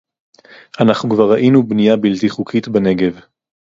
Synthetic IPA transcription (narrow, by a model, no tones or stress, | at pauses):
ʔanaχnukvaʁaʔinubnijabiltiχukʰitbane̞ɡe̞v